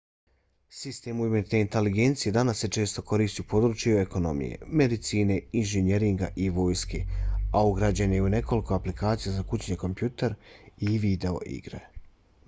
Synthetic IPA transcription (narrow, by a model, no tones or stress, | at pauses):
sist̪e̞ːmuiment̪ne̞int̪e̞liɡe̞nt̪sije̞d̪anasːe̞t͡ʃe̞ːst̪o̞ko̞ɾiːst̪iupo̞ːd̪ɾuːt͡ʃjue̞ko̞no̞̰mḭjḛme̞d̪it̪siːne̞inʒeɲeɾiŋɡa̰ʔiʋo̞ːjskeauɡɾad͡ʑanejune̞ko̞liko̞aplikʰaːt̪sijazakut͡ɕɲeko̞mpjuːt̪eɾiʋid̪e̞o̞̰ʔḭɡɾḛ